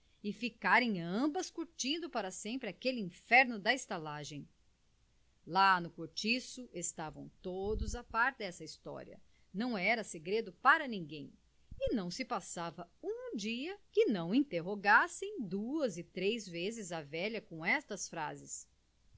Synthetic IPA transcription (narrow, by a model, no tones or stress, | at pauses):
ɪfikaɾẽj̃ɐ̃mbɐskuɾt͡ʃĩnd̪ʊpaɾɐsẽmpɾɪakelɪĩfɛɾnʊd̪ɐest̪alaʒẽj̃ | lanʊkoɾt͡ʃisʊest̪avɐ̰̃w̃t̪od̪ʊzapaɾt̪ɪd̪ɛsɐist̪ɔ̰ɾḭɐ̰ | nɐ̃w̃ɛɾɐseɡɾed̪ʊpaɾɐnĩɡẽj̃ | ɪnɐ̃w̃sɪpasavɐũd͡ʒiɐkɪnɐ̃w̃ĩt̪eɦoɡasẽj̃d̪uɐzɪt̪ɾejzvezɪzɐvɛʎɐkõɛst̪ɐsfɾa̰zɪs